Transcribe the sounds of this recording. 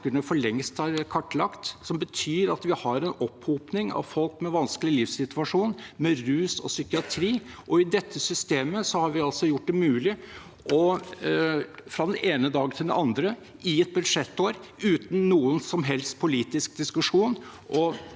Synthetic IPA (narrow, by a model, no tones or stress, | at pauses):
kəɳəfɔɭɛŋst̪hɑɾkʰɑʈːlɑkt̪sɔmbət̪ʰyːɾɑt̪ʋɪhɑɾɛnɔpːhuːpnɪŋɑ̰ʋfɔlkmɛʋɑnskəlɪlɪfsɪt̪ʉɑʂuːnmɛɾʉːsɔ̰sʏkɪɑt̪ʰɾiːʔɔɪd̪ɛt̪ʰːəsʏst̪eːməsɔhɑɾʋɪɑlsɔjʊʈ̚ːd̪ɛmʉːlɪ | ʔɔ | fɾɑd̪ɛnʔeːnəd̪ɑːɡt̪ʰɪld̪ɛ̰ɑnd̪ɾə | ɪɛt̪̚bʉd̪ʂɛt̪ːoːɾʉːt̪n̩ːuːənsɔmɦɛlst̪̚pʰʊliːt̪ɪsk̚d̪ɪskʉʂuːnʔɔ